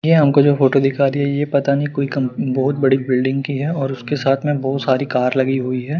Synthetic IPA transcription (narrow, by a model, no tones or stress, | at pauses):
jeɦɐmkod͡ʒoːfoːʈod̪ɪkʰaːɾiɦɛjepɐt̪anɐɦĩkoːikɐmbɔɦʊt̪̚bɐɽibɪlɖɪ̃ŋɡkiɦɛɔːɾʊskesaːt̪ʰmẽbɔːʊt̪saːɾikaːɾlɐɡiɦuiɦɛː